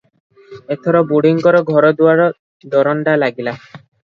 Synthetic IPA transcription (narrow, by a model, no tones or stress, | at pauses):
et̪ʰɔɾɔbuɽiŋkɔɾɔɡʱɔɾɔd̪uaɾɔ | d̪ɔɾɔnɖalaɡila